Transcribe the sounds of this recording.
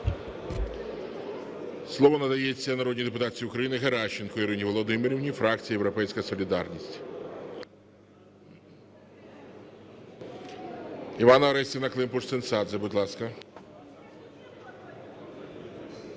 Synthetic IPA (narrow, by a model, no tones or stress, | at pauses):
slˠɔʋɔnɐd̪ɐjet͡sʲːɐnɐɾɔdʲnʲid̪epʊt̪ɑsʲiʊkɾɐjinɪɦeɾɑt͡ʃːenkɔiɾɪnʲiʋɔlˠɔd̪ɪmɪɾʲiwnʲifɾɑkt͡sʲijɐjewɾɔpɛjsʲkɐsɔlʲid̪ɑrnʲisʲtʲ | iʋɑnɐɐɾɛsʲinɐklˠɪmpʊʂt̪ɪnsɑd̪zɛbʊdʲlˠɑskɐ